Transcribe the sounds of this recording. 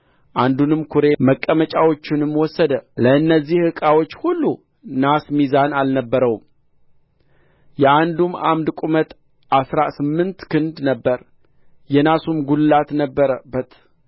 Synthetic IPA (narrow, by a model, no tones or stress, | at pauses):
ʔand̪unɨmkʰuɾe̞məkʼːəmət͡ʃʼawo̞t͡ʃːɪnɨmwɔsːəd̪ələɨnːəzːihhɨkʼawo̞t͡ʃːhulːu | nasmizanalnəbːəɾəwm | jɛʔand̪uma̰md̪kʼumət̪ | ʔasɾasɨmːɨnt̪kɨnd̪nəbːəɾ | jɛnasumɡulːat̪nəbːəɾəbːət̪